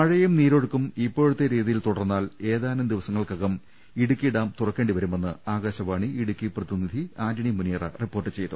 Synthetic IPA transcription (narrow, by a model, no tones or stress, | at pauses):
mɐɻɐjumniːɾo̞ɽukːumipːo̞ːɻut̪ːeɾiːðijilt̪uɽɐrnːaːle̞ːðaːnɐmd̪iʋɐsɐŋːɐɭkɐɣɐm | iɽukʲːiɽaːmt̪urɐkːe̞ːɳɖiʋɐɾume̞nːɨaːɡaːɕɐʋaːɳiiɽukʲːiprɐðinid̪ʱiaːdɐɳimunijɐrɐripːo̞ːrʈːɨt͡ɕe̞jt̪ːu